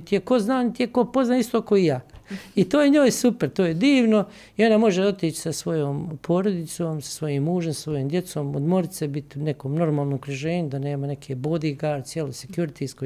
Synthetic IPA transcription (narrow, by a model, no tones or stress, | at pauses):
t̪ijeko̞znaːnit̪ijeko̞po̞znaːist̪o̞ːkoijaːit̪oːjeɲoːjsupeɾt̪oːjed̪iːʋno̞ | io̞namo̞ʒeo̞t̪iːt͡ʃi̥sasʋo̞joːmpʰo̞ːɾod̪it̪soːmsḁsʋo̞jiːmːuːʒemsasʋo̞joːmd̪je̞t̪so̞ːmo̰d̪mo̞ɾit̪sebit̪ne̞koːmno̞ɾmaːlˠnoːkɾiʒe̞ːɲud̪ane̞ːmane̞kʰeːboːd̪iɡaːɾt̪sjeːlosekjuɾit̪ʰisko